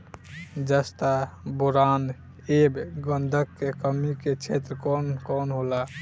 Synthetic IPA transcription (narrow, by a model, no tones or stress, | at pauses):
d͡ʒəst̪abuɾan | ebɡənd̪ʱəkːekəmiket͡ʃʰet̪ɾəkɔnkɔnɦola